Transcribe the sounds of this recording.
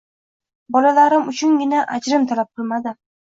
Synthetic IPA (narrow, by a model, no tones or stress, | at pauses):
bɒlalaɾɪmʊt͡ʃʰʊnɡʲɪnaʔad͡ʒɾɪmt̪ʰalap̚qʰɨlˠmad̪ɪ